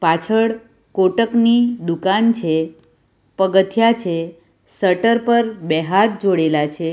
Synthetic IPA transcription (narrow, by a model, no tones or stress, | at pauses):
pat͡ʃʰəɭ | koʈəknid̪ukant͡ʃʰe | pəɡət̪ʰjat͡ʃʰe | səʈəɾpəɾbɛɦat̪̚d͡ʒoɽelat͡ʃʰe